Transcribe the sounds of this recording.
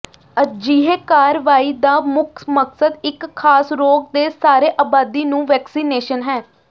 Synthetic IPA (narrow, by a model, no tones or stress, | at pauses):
əd͡ʒiːɦeːkaːɾʋaːiːd̪aːmʊkməksəd̪ɪkʰːaːsɾoːɡ̚d̪eːsaːɾeːʔaːbaːd̪iːnũːʋɛːksiːneːʃənɦɛː